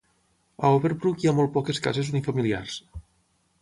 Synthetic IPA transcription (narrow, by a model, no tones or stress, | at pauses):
aoβeɾbɾukiamɔlˠt̪̚pɔkeskazezunifamilia̰rs